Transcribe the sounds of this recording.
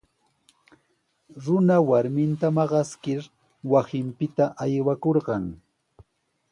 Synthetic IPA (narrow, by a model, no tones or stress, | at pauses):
ɾʊnawaɾmɪnt̪amɑɢɑskɪɾ | wasɪmpɪt̪aʔajwakoɾɢɑŋ